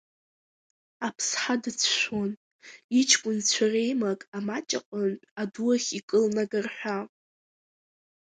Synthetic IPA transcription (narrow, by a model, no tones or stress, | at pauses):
apʰsħadɨt͡sʰʃʷon | it͡ʃʰkʷʼʊnt͡ɕʷʰare̞jmakʼamat͡ʃʼa̰qʷʼəntʼaduaχʲikʼɨlnaɡarħʷᶣa